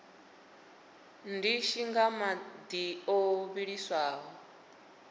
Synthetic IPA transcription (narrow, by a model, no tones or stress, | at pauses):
ndiʃiŋɡamad̪ioβiɺiswaːɦɔ